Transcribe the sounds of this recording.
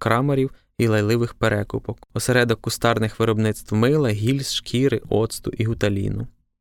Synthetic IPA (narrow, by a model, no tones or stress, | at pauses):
kɾɑmɐɾʲiw | ilˠɐjlˠɪʋɪxpeɾɛkʊpɔkɔseɾɛd̪ɔkːʊst̪ɑrnɪxʋɪɾɔbnɪt̪st̪wmɪlˠɛɦʲilʲsʃkʰiɾɪʔɔt̪st̪ʊ̰ʔiɦʊt̪ɐlʲḭnʊ